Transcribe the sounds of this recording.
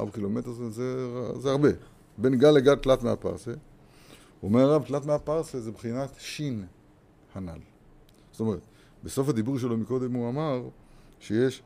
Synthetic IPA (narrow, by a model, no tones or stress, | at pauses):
a̰bkilo̞met̪eʁzezeazeaʁbe̞ | be̞nɡaleɡalt̪lat̪mea̰pa̰ʁse | omeʁaʁavtlat̪meapaʁsezebχinat̪ʃin | hana̰l | zo̥t̪ome̞ʁet̪ | beso̞fhad̪ibuʁʃ̬e̞lo̞miko̞d̪e̞muamaʁ | ʃejeʃ